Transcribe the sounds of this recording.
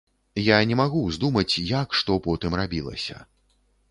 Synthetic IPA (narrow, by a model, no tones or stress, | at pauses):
janʲɛmaɣuzʲd̪umɐt͡sʲjakʂt̪ɔpɔt̪ɨmrabʲilˠɐ̰sʲɐ̰